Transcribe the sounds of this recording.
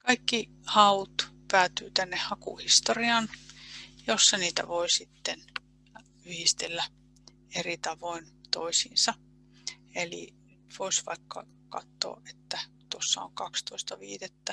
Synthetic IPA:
kɑikːi | hɑut̪pæːt̪yːt̪ænːehhɑkṵhist̪oriɑn | josːɑniːt̪æ̰ʋoisit̪ːen | yhist̪elːæ | erit̪ɑʋoint̪o̰isḭːnsɑ | elḭ | t̪ʋoisʋɑ̰ikːɑ̰ | kɑt̪ːo̰ːʔet̪ːæ | t̪osːɑ̰o̰ŋkɑkst̪oist̪ɑʋiːdet̪ːæ

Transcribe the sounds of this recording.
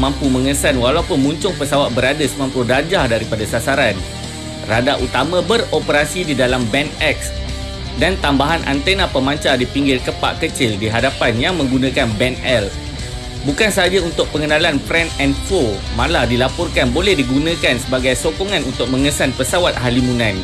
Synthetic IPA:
mãmpumə̃ŋəsanwalaupʊnmuɲt͡ʃʊŋpəsawat̪̚bəɾadasəmãmpudad͡ʒahdaɾipadasasaɾan | radaʔut̪amãbəropəɾasididalambɛnɛk̚s | dant̪ambaɦanʔa̰nt̪enapəmãɲt͡ʃadipiŋɡɪrkəpa̰ʔkət͡ʃɪldiɦadapanjaŋmə̃ŋɡunãkanbɛnɛl | bukansəad͡ʒaunt̪ʊk̚pəŋənãlanpɾɛnɛnfomãladilapɔrkanbolɛhdiɡunãkansəbaɡajsokoŋãnunt̪ʊk̚mə̃ŋəsanpəsawat̪̚halimunãn

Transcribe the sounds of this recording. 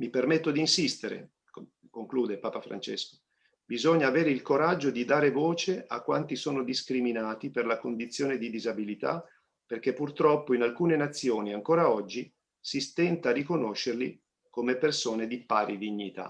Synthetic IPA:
mipermet̪ːod̪iːnsist̪eɾḛ | k | koŋkluːd̪epaːpafɾa̰nt͡ʃḛsko̥ | bizoɲːaːveːɾeilkoɾad͡ʒːod̪id̪aːɾevoːt͡ʃeʔa̰kːwant̪isoːnod̪iskɾiminaːt̪iperlakond̪it̪sːjoːned̪id̪izabilit̪a̰ | perkepːurt̪ɾɔpːoinalkuːnenat̪sːjoːniaŋkoːɾaɔd͡ʒːi | sist̪ɛnt̪arikonoʃːerli | komepersoːned̪ipaːɾid̪iɲːit̪a̰

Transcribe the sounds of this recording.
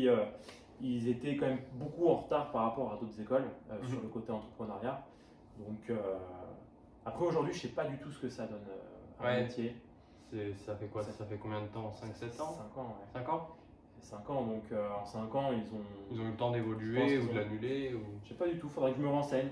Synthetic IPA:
iø | ilzet̪ɛkɑ̃mɛmbokuɑ̃ʁət̪aʁpaʁːapɔʁad̪ot̪χzekɔløsyʁləkot̪eɑ̃t̪χə̥pχənaʁja | d̪ɔ̃kʰø | apχɛoʒuʁd̪ɥiʒəsɛpad̪yt̪usə̥kəsad̪ɔnøamet̪ʰje | sɛsafɛkwasafɛkɔ̃bjɛ̃d̪ət̪ɑ̃sɛ̃ksɛt̪ɑ̃sɛ̃kɑ̃wɛsɛ̃kɑ̃ | fɛsɛ̃kɑ̃d̪ɔ̃kʰøɑ̃sɛ̃kɑ̃ilzɔ̃ilzɔ̃ylət̪ɑ̃d̪evɔlyẽud̪lanyleuʒsɛpad̪yt̪ufod̪ʁɛkʒəməʁɑ̃sɛɲ

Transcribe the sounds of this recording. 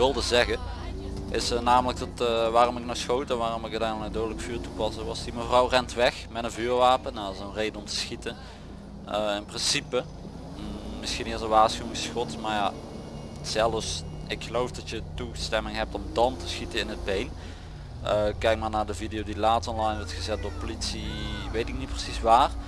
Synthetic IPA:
ʋɪlˠdəzɛɣən | ʔɪsənaːmələk̚dɑtʋaːrɔmɪknɔwsxowtɛʋaːrɔmɪkətɛnnawdowdələkfyːɹtupɑsəʋɑsd̥iməvrɑwrɛntʋɛxmɛtənvyːɹʋaːpənaɪsənrejdəɔmtə̥sxitə | əɪnprɪnsipə | mɪsxinɪːzəʋaːsxyɪ̃ŋsxɔtmaɹja | sɛlˠəfs | ɪkxəlowfdɑtjətustɛmɪŋɦɛp̚tɔmdɑntə̥sxitəɪnəd̚bejn | əkɛjk̚maːɹnaːɹdəvidijowdilaːtɔnlɑjnʋɔɹtxəzɛt̚doːɹpolitsiʋejtɪk̚nit̚prəsisʋaːr

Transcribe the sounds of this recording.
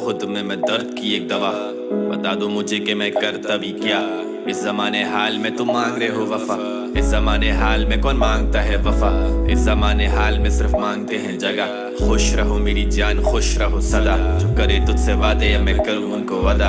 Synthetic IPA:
xʊd̪mẽmɛ̃d̪ɐɾd̪̚kieːk̚d̪ɐʋaː | bɐt̪aːd̪õmʊd͡ʒʱekemɛ̃kɐɾt̪abʱikjaː | ɪszɐmaːneɦaːlmẽt̪ʊmːãːŋɡɾeɦoʋɐfaː | ɪszɐmaːneɦaːlmẽkɔːnmãːŋɡ̚t̪aɦɛʋɐfaːɪ̰szɐmaːneɦaːlmẽsɪɾfmãːŋɡ̚t̪eɦɛ̃d͡ʒɐɡa | xʊʃɾɐɦomeːɾid͡ʒaːnxʊʃɾɐɦosɐd̪aːt͡ʃʊkːɐɾet̪ʊt̪seʋaːd̪ejɐmɛ̃kɐɾũʊnkoʋaːd̪a

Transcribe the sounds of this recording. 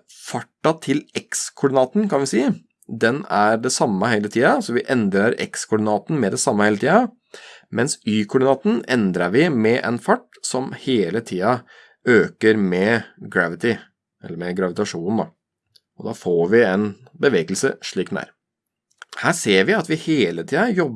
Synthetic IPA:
fɑʈːɑt̪ʰɪlɛkskʰʊɖɪnɑːt̪n̩kʰɑnʋɪsiː | d̪ɛnæɾɖɛsɑmːəheːlət̪ʰiːɑsɔʋɪʔɛnd̪ɾɑɾɛ̰kskʰʊɖɪnɑːt̪n̩mɛd̪ɛsɑmːəheːlət̪iːɑ | mɛnsyːkʰʊɖɪnɑːt̪n̩ɛnd̪ɾɑɾʋɪmɛʔɛ̰nfɑʈː | sɔmheːlət̪ʰiːɑ | øːkəɾmɛɡɾæʋɪt̪ɪ | ɛ̰lːəɾmɛɡɾɑʋɪt̪ɑʂuːnn̩d̪ɑ | ɔd̪ɑːfoːɾʋɪɛn | bəʋeːɡəlsə̰ʂɭiːk̪næ̰ːɾ | hæːʂeːɾʋɪɑt̪ʋɪheːlət̪ʰiːɑjɔb

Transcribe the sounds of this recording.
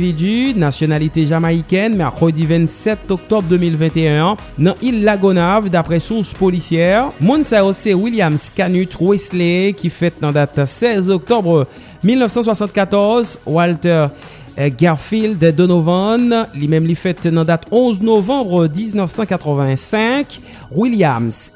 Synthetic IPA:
vid̪ynasjɔnalit̪eʒamaikʲɛnmɛʁkχəd̪ivɛ̃t̪sɛt̪ɔk̚t̪ɔbʁd̪ømilvɛ̃t̪eœ̃ | nɑ̃ʔilːaɡonavd̪apχɛsuʁspɔlisjɛʁmɔ̃nsaosɛwiljamskanyt̪wɛslekʲifɛt̪̚nɑ̃d̪at̪sɛzɔk̚t̪ɔbʁ | milnœfsɑ̃s̬wasɑ̃t̪̚kat̪ɔʁzwalt̪ɛʁ | ɡɛʁfild̪d̪onovɔ̃nlimɛmlifɛt̪nɑ̃d̪at̪ɔ̃znovɑ̃bʁəd̪iznœfsɑ̃kat̪χəvɛ̃sɛ̃k | wiljams

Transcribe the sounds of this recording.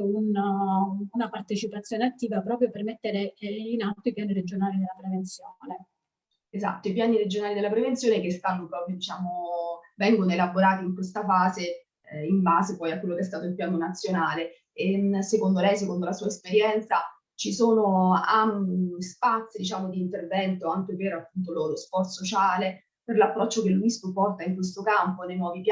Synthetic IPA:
un | unapart̪et͡ʃipat̪sːjoːneat̪ːiːvapɾɔːp̬ɾjopermet̪ːeɾeinat̪ːoipjaːniɾed͡ʒonaːlid̪elːapɾevent̪sjoːne | eza̰t̪ːoipjaːniɾed͡ʒonaːlid̪elːapɾevent̪sjoːnekest̪anːopɾɔːpɾjod̪it͡ʃaːmovɛŋɡonoelaboɾaːt̪iiŋkwest̪afaːze | imbaːzepɔjakwelːokeɛs̬t̪aːt̪oilpjaːnonat̪sːjonaːle | esekond̪olɛjs̬ekond̪olasuːaespeɾjɛnt̪sa | t͡ʃisoːnoanspat̪sːid̪it͡ʃaːmod̪iːnt̪ervɛnt̪oaŋk̟eperapːunt̪̬ololospɔrt̪sot͡ʃaːle | perlapːɾɔt͡ʃːokelːuisupːɔrt̪aiŋkwes̬t̪okamponejnwɔːvipj

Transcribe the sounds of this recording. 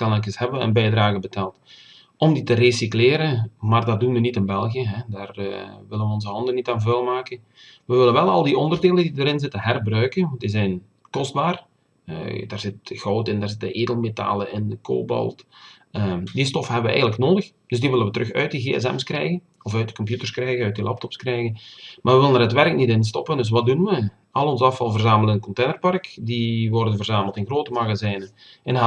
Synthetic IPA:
kɑnɛlkəshɛbəʋəə̰nbɛjdraːɣəbətaːlˠt | ɔmditəresikleːɾəmaːrdɑdunʋənitɪnbɛlˠɣiəɦɛdaːr̰ʋɪlənʋəɔnzəɦɑndənitaːnvœlˠmaːkən | ʋəʋɪlənʋɛlˠɑ̰lˠdiʔɔndərdeːlˠədidəɾɪnzɪtənɦɛrbrœɥkəndizɛjn | kɔzd̚baːr | ə̰daːrzɪt̚ɣɔwtɪndaːrzɪtəʔeːdəlˠmeta̰ːlˠəʔɪnko̰ːbɔ̰lˠt | ədistɔfəɦɛbəʋəʔɛ̰jɣətləknoːdəx | d̥ɵs̬diʋɪlˠənʋətəɾɵxœ̰ɥt̚diɣeːɛ̰sɛ̰mskrɛ̰jɣən | ɔfœɥt̚də̥kɔmpjutərskrɛjɣənœɥt̚dilʔap̚tɔpskrɛjɣənmaːrʋəʋɪlˠənərɦətʋɛrək̚nitɪns̬tɔpəndɵs̬ʋɑt̚dunʋə | ɑlˠɔnzəɑfɑlˠvərzaːməlˠənəkɔnteːnərpɑrkdiʋɔrdənvərzaːməlˠtɪnɣroːtəmaɣazɛːnə | ɛn

